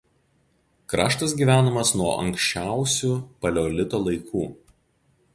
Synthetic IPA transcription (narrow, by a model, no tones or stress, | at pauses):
kɾɑːʃt̪ɐsɡʲiːʋʲæːnomɐsnuɔʔɐ̰ŋʲkʲsʲt͡ʃʲæˑʊsʲupɐlʲoːlʲɪt̪oːlˠɐɪkʰuː